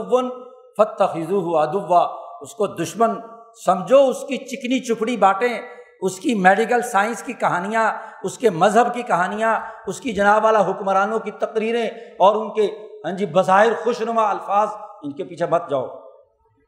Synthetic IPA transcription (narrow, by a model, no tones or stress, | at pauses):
ʋːʊn | fɐt̪ːɐxɪzuːɦʊad̪ʊʋːaʊskod̪ʊʃmən | sɐmd͡ʒʱoʊskit͡ʃɪknit͡ʃʊkʰɽibaːʈẽ | ʊskimeːɖɪk̬əlsaːɪ̃nskikɐɦaːnijãʊskemɐzɦəbkikɐɦaːnijãʊskid͡ʒɐnaːbʋaːlaɦʊkmɾaːnõkit̪ɐqɾiːɾẽɔːɾʊnkeɦɐ̃nd͡ʒibɐzaːɦɪɾxʊʃnʊmaɐlfaːzʊnkepiːt͡ʃʰebɐt̪̚d͡ʒaːo̰ː